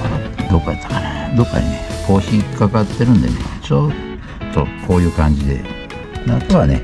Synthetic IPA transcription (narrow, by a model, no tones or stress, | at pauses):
ad̪okːat̪ːḁkanad̪o̞kːa̰ɲinekʰo̞ːɕikakat̪ːe̞ɾɯ̟̃nd̪ḛnḛt͡ɕot̪ː | o̰kʰo̞ːjɯ̟ːkãɲ̟d͡ʑid̪e̞̰ | nat̪oβane̞̰